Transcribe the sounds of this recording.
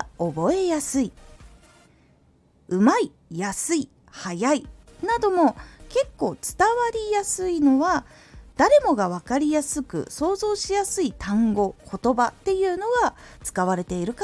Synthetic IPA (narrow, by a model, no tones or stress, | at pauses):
o̞bo̞e̞jasɨi | ɯ̟mai | jasɨi | hajai | nad̪o̞mo̞ke̞kːo̞ːt͡sɨ̥t̪aβaɾʲijasɨino̞βa | d̪̥aɾe̞mo̞ɡaβ̞akaɾʲijasɨkɯ̰so̞ːzo̞ːɕijasɨit̪ãŋɡo̞kʰo̞t̪o̞bat̪ːe̞jɯ̟ːno̞ɡat͡sɨ̥kaβ̞aɾe̞t̪e̞iɾɯ̟ka